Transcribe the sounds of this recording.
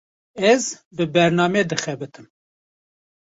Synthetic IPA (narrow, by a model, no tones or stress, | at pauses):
ɛzbɨbɛɾnɑːmeːd̪ɨxɛbɨt̪ʰɨm